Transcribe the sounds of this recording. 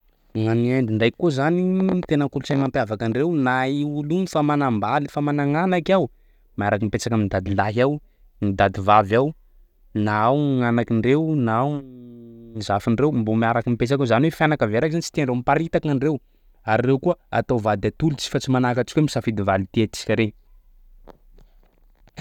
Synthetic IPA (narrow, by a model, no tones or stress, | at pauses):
ŋanieɳdiɳɖ͡ʐajkkːozanimit̪enəŋkulut͡samampjavakaɳɖ͡ʐewnaiulunifamanambalifamanaŋanakʲaw | maaɾakimipet͡sakamind̪ad̪ilaɦaw | mid̪ad̪ivavaw | naawŋanakiɳɖ͡ʐewnaaw | izafiɳrewmbomiaɾakimipet͡sakʲazaniwefanakaveɾakzanit͡ʃi̥t̪eanɳɖ͡ʐewmipaɾit̪akaɳɖ͡ʐew | aɾirewkuəa̰t̪owvad̪at̪ulut͡si̥fat͡simanakat͡ʃi̥kemisafid̪ivalit̪eat̪i̥si̥kaɾe